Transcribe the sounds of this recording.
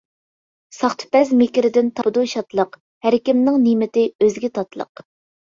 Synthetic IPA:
sɑχt̪ʰɨ̥pɛzmekʲɪɾɪd̪ɪnt̪ʰɑd̪uʃɑt̪lˠəq | hæɾɪkʲɪmnɪŋnimɪt̪ɪøzɡʲɛt̪ʰɑt̪lˠə̰q

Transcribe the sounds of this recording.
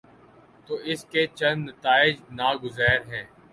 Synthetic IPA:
t̪oːʔɪskeːt͡ʃɐ̃nd̪nət̪aːɪd͡ʒnaːɡʊzɛːɾɦɛ̃ː

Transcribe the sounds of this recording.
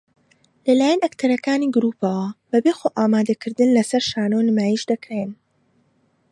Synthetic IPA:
lɐlaːjɐnɐkt̪ʰɐɾɐkaːniːɡʊɾuːpɐwɐb̥ɐbexoːʔaːmaːd̪ɐkʰɨɾd̪ɨnlɐsɐɾʃaːnonɨmaːjiʃd̪ɐkɾen

